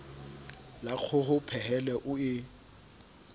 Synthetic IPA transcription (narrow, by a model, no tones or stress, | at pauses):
lak͡xʰʊhʊpʰɛɦɛlɛʔʊɪ